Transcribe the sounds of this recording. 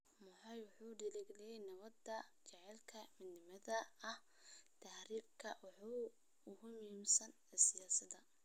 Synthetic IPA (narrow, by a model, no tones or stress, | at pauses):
mʊħɑjwʊħuːɖɪlɪɡlɛjɛjnɐβɐd̪ɐt͡ʃɛʕɛlkʰɐmɪd̪nɪmɐðɐɐh | t̪ʰaːhɾiːb̚kʰɐwɑħu | ʊhʊmʊhiːmsɐnɛsɪjaːsɐd̪ɐ